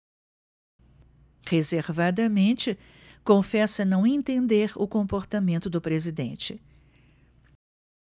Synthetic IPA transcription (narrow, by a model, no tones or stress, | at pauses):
hezeɾvad̪ɐmẽnt͡ʃɪ | kõfɛsɐnɐ̃w̃ẽnt̪ẽnd̪eɾʊkõpoɾt̪amẽnt̪ʊd̪ʊpɾezid̪ḛ̃nt͡ʃɪ